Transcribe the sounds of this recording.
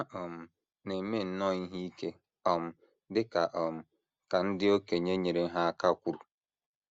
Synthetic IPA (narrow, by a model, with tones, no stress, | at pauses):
a˦ʔɔ˨m̩˨ | ne˨˦me˦˨n̩˦nɔ˦˨ɲi˦ɦi˦i˦ke˦ | ɔ˨m̩˨ | dɪ˦ka˨ʔɔ˨m̩˨ | ka˨n̩˦dɪ˦o˦ke˨ɲe˦ɲe˨ɾe˨˦ɦa˦ka˦˨kʷu˦ɾu˨